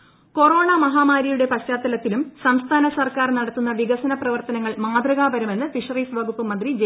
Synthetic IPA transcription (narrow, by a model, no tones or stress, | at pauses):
ko̞ro̞ːɳamɐɦaːmaːɾɐjuɽe̞pɐɕːaːt̪ːɐlɐt̪ːilumsɐmst̪ʰaːnɐsɐrkaːrnɐɽɐt̪ːunːɐʋiɣɐsɐnɐprɐʋɐrt̪ɐnɐŋːɐɭmaːd̪rɐɣaːbɐɾume̞nːɨfiʂɐriːsʋɐɣupːɨmɐnd̪rid͡ʑ